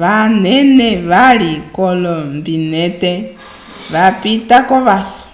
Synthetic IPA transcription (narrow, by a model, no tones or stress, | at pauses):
ʋanɛneʋalikɔlɔmbinetɛ | ʋapitakɔβasɔ̥